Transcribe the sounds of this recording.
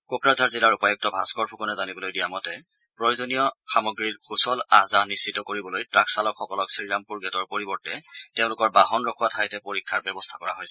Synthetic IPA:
kokɹazaɹzilaɹupajɔk̚tɔbʱa̰skɔɹpʰukɔnɛzanibɔlojdijamɔtɛ | pɹojozonijɔxamɔɡɹilxʰusɔlazaɦnisːitɔkoɹibɔlojtɹaksalɔkxɔkɔlɔksiilampuɹɡɛtɔɹpoɹibɔɹtɛteʊ̃lʊkɔɹbaɦɔnɹɔkʰuwatʰajtɛpoɹikʰːaɹbjɛbɔstʰakɔɹaɦojsɛ

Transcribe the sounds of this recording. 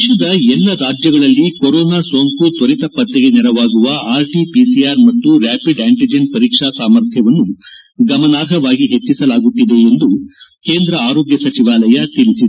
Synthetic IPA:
ʃɐd̪ɐɛlːɐɾaːd͡ʒjɐɡɐɭɐlːikoɾoːnaːsoːŋkut̪oɾit̪ɐpɐt̪ːeɡe̞nɛɾɐʋaːɡuʋɐaːɾʈipisijaːɾmɐt̪ːuɾaːpiɖaːɳʈid͡ʒenpɐɾiːkʂasaːmɐɾt̪ʰjɐʋɐnːu | ɡɐmɐnaːɾɦɐʋaːɡiɦe̞t͡ʃːisɐlaːɡut̪ːid̪eːnd̪uke̞ːnd̪ɾɐaːɾo̞ːɡjɐsɐt͡ʃiʋaːlɐjɐt̪iɭisid̪e

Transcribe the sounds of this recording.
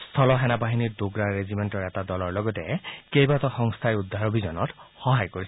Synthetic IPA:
st̪ʰɔlɔɦɛnabaɦiniɹd̪oɡɹaɹezimentɔɹɛtadɔlɔɹlɔɡɔtɛkejbat̪ɔxɔŋst̪ʰajud̪ʱːaɹɔbʱizɔnɔthɔɦajkoɹis

